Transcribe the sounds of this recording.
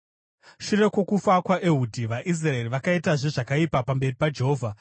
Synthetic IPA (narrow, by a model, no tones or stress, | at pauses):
ʃure̞kwo̞kufakwaʔeɦudʱiʋaʔis̬raeriʋakaitaʐeʐakaipapambe̞ripad͡ʒe̞ɦoːvʱa